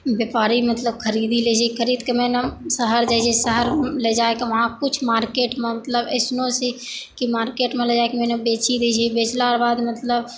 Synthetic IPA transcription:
bepaːɾimət̪ləbkʰəɾiːd̪ilet͡ʃʰikʰəɾiːd̪kəmẽnəsəɦəɾd͡ʒaːit͡ʃʰisəɦəɾled͡ʒaːekiʋɐɦãkʊt͡ʃʰmaːɾkeːʈmẽmət̪ləbəsnõsikimaːɾkeːʈmẽled͡ʒaːekimẽnəbeːt͡ʃid̪it͡ʃʰibeːt͡ʃlaɾbaːd̪mət̪ləb

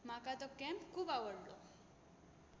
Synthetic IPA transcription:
makat̪ɔkɛmpkʰuːbaʋəɽlɔ

